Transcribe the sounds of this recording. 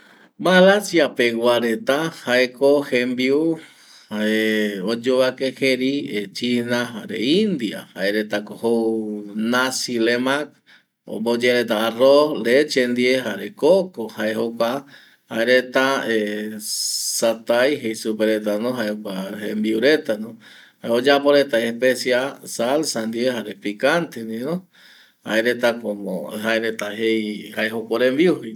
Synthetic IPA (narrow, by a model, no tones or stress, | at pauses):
malasjapeɡwaɾet̪ahaekohembiu | haeod͡ʒoβakeheɾiet͡ʃinaɦaɾḛind̪ia̰haeɾet̪akoho | nasilemak̚ | o̰mbod͡ʒeɾet̪̬aːrolet͡ʃend̪ieɦaɾekokohaeɦoka | haeɾet̪ae | sat̪ajɦejsupeɾet̪anõɦaeaembiuɾet̪anõ | haeod͡ʒapoɾet̪ajehpesiasalsand̪ieɦaɾepikant̪end̪inõ | ha̰eɾet̪akomo̰ɦaeɾet̪aɦejhaeɦokoɾembiuhij